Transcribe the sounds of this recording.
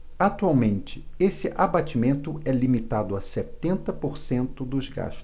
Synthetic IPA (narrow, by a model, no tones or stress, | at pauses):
at̪uawmẽnt͡ʃɪesɪʔabat͡ʃimẽnt̪ʊɛlimit̪ad̪ʊasɛt̪ẽnt̪ɐpoɾsẽnt̪ʊd̪ʊzɡa̰ʃt̪ʊ